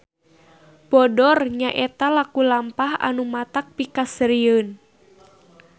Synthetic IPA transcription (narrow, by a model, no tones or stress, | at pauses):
bɔdɔrɲaʔɛt̪alakulampaha̰numat̪ak̚pikasəɾiən